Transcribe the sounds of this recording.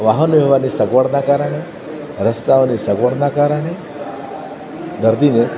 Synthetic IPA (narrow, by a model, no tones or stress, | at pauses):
ʋaɦənʋɛʋanisɐɡʋəɽnakaɾaɽ̃e | ɾəst̪aʋnisɐɡʋəɽnakaɾaɽ̃e | d̪əɾd̪ine